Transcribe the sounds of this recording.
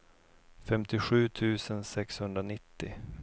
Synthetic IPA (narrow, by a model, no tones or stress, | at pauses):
fɛmt̪ɪɧʉ̟ːt̪ʰʉ̟ːsənsɛkshɵnd̪ɾanɪt̪ːɪ